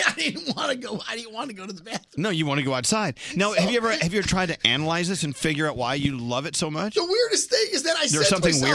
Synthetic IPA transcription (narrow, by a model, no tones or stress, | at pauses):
aɪdɪdⁿn̩t̚wɑ̃nɨɡoʊaɪdɪdⁿn̩ʔ̚wɑ̃nɨɡoʊɾɨðəbæθnoʊjɨwɑ̃ñtɨɡoʊaʊtsaɪd̚naʊhɨvjɨɛvə˞hɨvjɨtʰɹ̥aɪd̚tɨʔæ̰nəlaɪzðɪsɨ̃nfɪɡjə˞aʊʔ̚wa̰ɪjɨlʌvɨtsoʊmʌt͡ʃəwɪɹɾɨsteɪɨzðɨ̃naɪðə˞zsʌ̃mθɪ̃ŋwɪ